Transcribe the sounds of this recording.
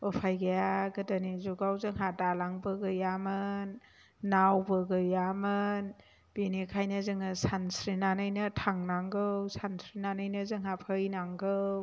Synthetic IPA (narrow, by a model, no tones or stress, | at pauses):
ɔpʰajɡajaɡɯdanizuɡawzɯŋɦadalaŋbɯɡɯjamɯnː | awbɯɡɯjamɯn | b̥inikʰajnɯzɯŋɯsansɾinanɯjnɯtʰaŋnaŋɡɯwsansɾinanɯjnɯzɯŋɦapʰɯjnaŋɡɯw